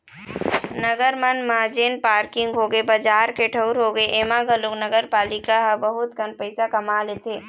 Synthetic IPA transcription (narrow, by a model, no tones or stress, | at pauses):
nəɡəɾmənmad͡ʒeːnpaːɾkɪ̃ŋɡɦoːɡebɐd͡ʒaːɾkeʈʰəʊɾɦoːɡəeʔeːmãɡʱəloknɐɡəɾpaːlɪkaɦbɐɦʊt̪kənpəɪsakɐmaːleːt̪ʰeː